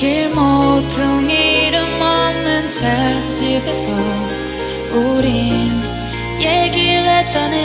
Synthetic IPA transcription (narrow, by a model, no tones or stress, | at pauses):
keɭmodɯŋiɾɯmːʌmnɯnt͡ɕʰat͡ɕibesʰʌ | oɾin | jeɡiɭet̚t͈anɯ